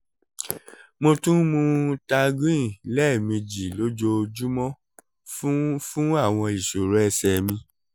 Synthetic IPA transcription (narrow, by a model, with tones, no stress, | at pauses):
mo˧tũ˦mũ˧ta˧ɡɾĩ˦˨lɛ˦˨mĩ˧d͡ʒi˨lo˦d͡ʒo˧d͡ʒu˦mɔ̃˦ | fũ˦a˦˨w̃ɔ̃˧i˨ʃo˨ɾɛ˨˦˧sɛ˧˨mĩ˧